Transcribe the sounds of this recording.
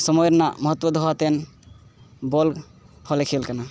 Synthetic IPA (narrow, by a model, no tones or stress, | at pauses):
səmɔjɾna̰məɦət̪ːwəd̪ʱoat̪en | bolɡ | hɔlekʰelkana